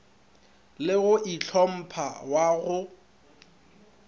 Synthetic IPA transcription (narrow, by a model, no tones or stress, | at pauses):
lɪɣʊʔit͡ɬʰɔm̩pʰawaɣʊ